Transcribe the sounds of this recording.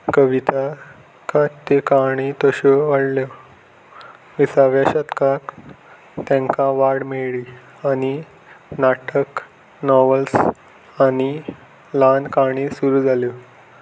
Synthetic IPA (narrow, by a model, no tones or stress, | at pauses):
kəʋit̪a | kat̪ːekaɽ̃it̪ɔɕɔʋaɽljɔ | ʋisaʋjaɕət̪kak | t̪ɛ̃ŋkãʋaɽmeɭi | ani | naʈʰək | nɔʋəls | ani | lankaɽ̃isuɾuːd͡zʱaljo